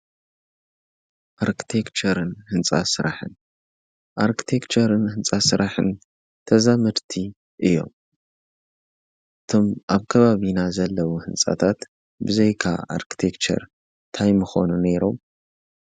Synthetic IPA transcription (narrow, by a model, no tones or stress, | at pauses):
ʔaɾkʰi̥t̪ʰekt͡ʃʰɐɾɨnhɨnt͡sʼa̰sɨɾʔaħɨ̰n | ʔaɾkʰi̥t̪ʰe̞kt͡ʃʰɐɾɨnhɨnt͡sʼasɨɾaħɨ̰n | t̪ʰɐzamɨɾt̪ʰi | ʔɨjːo̞̰m | ʔɨt̪ʰo̞mʔaβkʰɐβaβinazɐlːɐwuhɨnt͡sʼa̰t̪ʰat̪ | bɨzejkʰa̰a̰ɾkʰi̥t̪ʰekt͡ʃʰɐ̰ɾ | t̪ʰajmɨxo̞̰nune̞ɾo̞m